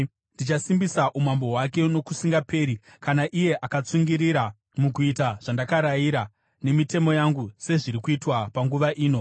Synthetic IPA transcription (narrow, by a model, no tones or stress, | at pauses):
ndit͡ʃasimbisaʔumambo̞ɦwake̞no̞kusiŋɡape̞ːɾikanaʔije̞ʔakat͡suŋɡiɾiɾa | muk̬uitaʐ̥andakaɾajiɾa | ne̞mite̞mo̞jaŋɡuse̞ʐiɾikuitwapaŋɡuʋaʔiːno̞